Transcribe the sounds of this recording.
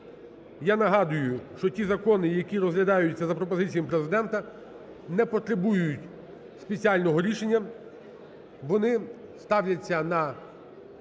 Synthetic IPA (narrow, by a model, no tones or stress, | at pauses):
janɐɦɑd̪ʊjʊʃt͡ʃɔtʲizɐkɔnɪjɐkʲiɾɔzɦlʲɐd̪ɑjʊt͡st͡sʲːɐzɐpɾɔpɔzɪt͡sʲijɐmpɾe̞zɪd̪ɛnt̪ɐ | nɛpɔt̪ɾebujʊjʊtʲ | spet͡sʲiɑlʲnɔɦɔɾʲiʃe̞nʲːɐ | ʋɔnɪst̪ɑwlʲɐt͡sʲːɐnɐ